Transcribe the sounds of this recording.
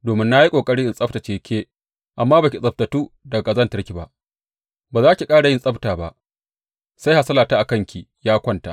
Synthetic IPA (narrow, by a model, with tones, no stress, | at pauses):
doː˨mɪ˦nːa˦ji˦kʷʼoː˨kʼɐ˦ɽɪ˦ʔɪ˨nsʼɐ˦ɸta˨t͡ʃeː˨kʰʲeː˦ | ʔa˨mːaː˦ba˨kʲi˨sʼɐ˨b̚tɐ˨tuː˦dɐ˨ɡɡa˨zɐ˦ntɐ˦rkʲi˨ba˦ʔ | baː˨zaː˦kʲi˨kʼaː˦ɽa˨jɪ˦nsʼɐ˦ɸtaː˨ba˦ʔ | sa˦jha˨sɐ˦laː˨taː˦ʔa˨kɐ˦˨ŋkʲi˨jaː˦kʷɐ˦nta̰˨ʔ